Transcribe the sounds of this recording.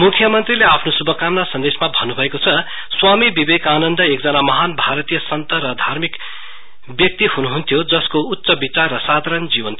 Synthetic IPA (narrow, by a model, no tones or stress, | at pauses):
mukʰjʌmʌnt̪rileapʰnosubʱʌkamnasʌnd̪esmabʱʌnːubʱʌekot͡sʰʌ | swamibibekanʌnd̪ʌekd͡zʌnamʌɦanbʱaɾʌt̪ijʌsʌnt̪ʌɾʌd̪ʱarmik | bjʌk̚t̪ihunuɦunt̪ʰjod͡zʌskout̪ːsʌbit͡sarːʌsad̪ʱaɾʌnd͡zibʌnt̪ʰ